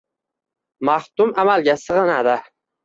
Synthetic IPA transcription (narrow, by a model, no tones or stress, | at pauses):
maht̪ʊmamalɡʲasɨʁɨnad̪a